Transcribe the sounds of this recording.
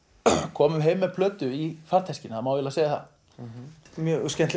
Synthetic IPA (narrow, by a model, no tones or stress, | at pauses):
kʰɔːmʏmɦeːjmːɛpʰlœːt̪ʏifar̥t̪ʰɛscɪnaðamawðvɛlaseːjɣaθa̰ | mjœscɛnt̪l